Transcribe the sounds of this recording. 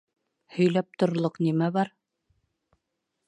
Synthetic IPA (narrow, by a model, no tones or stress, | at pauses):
hɵ̆jlæp̚t̪ŏɾlˠoqnimæβɑɾ